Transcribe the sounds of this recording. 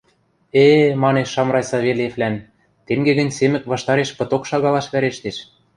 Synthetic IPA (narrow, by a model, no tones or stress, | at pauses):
emɑneʃːɑmɾɑjsɑβelʲeflæn | t̪eŋɡeɣɘ̆nʲsemɘ̆kβɑʃt̪ɑɾeʃpɤ̆t̪okʃɑɣɑlɑʃβæɾeʃt̪eʃ